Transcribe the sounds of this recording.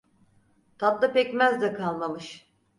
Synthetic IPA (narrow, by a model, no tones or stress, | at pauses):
t̪ʰat̪d̪ˠapɛcmæzd̪ɛkʰalˠmamɯʃ